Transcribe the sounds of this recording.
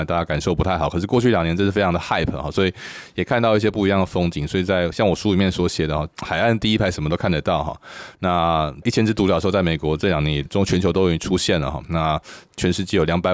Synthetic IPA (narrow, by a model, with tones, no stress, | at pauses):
t̪a˥˩t͡ɕja˥ka˨˩nʂo˥˧ʊpu˧˥a˥ɪxɑ˨˩˦kʰʂɻ̩˥˩kwɔ˥˧t͡ɕʰy˥˩˨ljɑ˨˩ŋnjɛ˧˥nʈ͡ʂə˥ʂ̩˥˩e˥ɪɑ˧ŋd̪ə˨xa˥˩ɪpʰxɔ̰˥˩swɔ˧˥i˨˩jɛ˨˩kʰa˥˧nt̪ɑ˥˧i˥˩ɕjɛ˥pu˥˩i˧jɑ˥˩ŋd̪ə˩fo˥ŋt͡ɕi˨˩˦ŋswɔ˧˥i˨˩t͡sa˥˩ɪɕjɑ˥˩ŋwɔ˨˩ʂu˥li˨˩mjɛ˥˩nswɔ˧˥ɕjɛ˨˩d̪ə˦xɔ˥˩xa˨˩ɪa˥˧nt̪i˥˩i˥pʰa˧˥ɪʂə˨˩mə˦t̪o˥ʊkʰa˥˩nd̪ə˧t̪ɑ˥˩ʊxɔ̰˥˩na˥˧i˥˩t͡ɕʰjɛ˥nʈ͡ʂɻ̩˥t̪u˧˥˨t͡sɪme˨˩ɪkwɔ˧˥ʈ͡ʂɤ˥˩ljɑ˨ŋjɛ˧˦˥nɛ˨˩o˥t͡ɕʰɥɛ˧˥nt͡ɕʰo˧˥t̪o˥jo˧˩˥ʈ͡ʂʰu˥ɕjɛ˥˩nlə̰˩xɔ̰˥˩na˥˩t͡ɕʰɥɛ˧nʂɻ̩˥t͡ɕjɛ˥˩jo˨˩ʊjɑ˧˥ŋpa˨˩ɪ